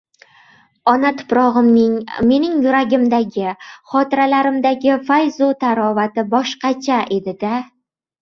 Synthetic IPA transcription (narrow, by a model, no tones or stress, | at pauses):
ɒnat̪ʰʊ̥pɾɒʁɨmnɪŋme̞nɪŋjʊɾaɡʲɪmd̪aɡʲɪχɒt̪ɪɾalaɾɪmd̪aɡʲɪfajzot̪ʰaɾɒvat̪ɪbɒʃqɑt͡ʃʰaʔe̞d̪ɪd̪a